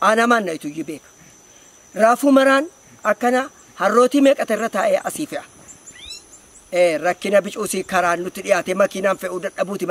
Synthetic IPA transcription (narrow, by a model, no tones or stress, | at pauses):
ʔaːnɐmaːnːɐɪt̪ʊjːɪbe̞ːkɐ̥ | ɾaːfuːmɐɾaːn | ɐkːɐna | hɐrːo̞ːt̪imeːkʼɐt̪ɛɪrːɐt̪aːʔɛʔɐsiːfɪʔɐ̥ | ʔeːɾɐkːɪnɐbɪt͡ʃʼuːsikɐɾaːnːʊt̪ːɪᶑɪjaːt̪ɛmɐkiːnaːnfɛʔud̪ɐᶑɐbuːt̪ɪm